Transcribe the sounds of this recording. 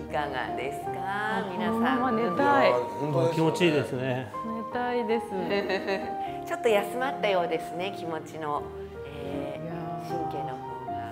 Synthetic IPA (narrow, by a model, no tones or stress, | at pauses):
ikaɡa̰d̪e̞sɨ̥kamʲinasãanet̪aiokʲimo̞t͡ɕiːd̪e̞sɨonenet̪aid̪e̞sɨ | t͡ɕo̞t̪ːo̞jasɨmat̪ːajo̞ːd̪e̞sɨne̞kʲimo̞t͡ɕino̞ | eː | ɕĩŋkẽːnobɯ̃ŋɡa̰